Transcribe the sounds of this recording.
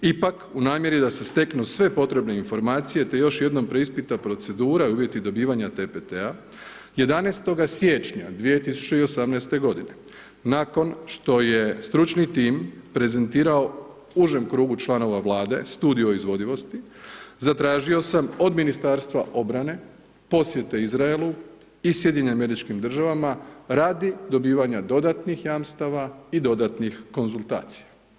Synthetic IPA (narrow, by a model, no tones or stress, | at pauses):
ipakunaːmje̞ɾid̪ase̞st̪e̞knusʋe̞po̞t̪ɾe̞bne̞info̞ɾmaːt̪sije̞t̪e̞jo̞ʃje̞d̪no̞mpɾe̞ispit̪apɾo̞t̪se̞d̪uːɾaiuːʋje̞t̪id̪o̞biːʋaɲat̪epet̪ea | je̞d̪aneːst̪o̞ɡasje̞t͡ʃɲad̪ʋije̞t̪isu̥t͡ʃe̞io̞samnɛjst̪e̞ɡo̞d̪ine̞ | naːko̞nʃt̪o̞je̞st̪ɾut͡ʃnit̪iːmpɾe̞ze̞nt̪iːɾao̞ | uʒemkɾuːɡut͡ʃlˠano̞ʋaʋlˠaːd̪e̞̰st̪uːd̪io̞izʋo̞d̪iʋo̞st̪izat̪ɾaːʒio̞samo̞d̪minist̪aːɾst̪ʋaʔo̞bɾane̞ | po̞sje̞t̪e̞izɾaelˠu | isje̞d̪ʲɲeɲeame̞ɾit͡ʃkimd̪r̩ʒaʋamaɾaːd̪id̪o̞biːʋaɲad̪o̞d̪at̪nixjaːmst̪aʋaid̪o̞d̪at̪nixko̞nzult̪a̰ːt̪si̥ja